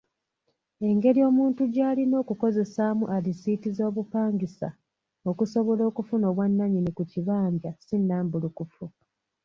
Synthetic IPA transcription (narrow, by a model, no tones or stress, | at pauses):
e̞ŋɡe̞ɾio̞ːmuːntuɟaːlino̞ːkuko̞ze̞saːmuʔalisiːtizo̞ːβupaːŋɡisa̰ | o̞kuso̞βo̞lo̞ːkufuno̞ːβwanːaɲinikuciβaːɲɟasinːaːmbulukufu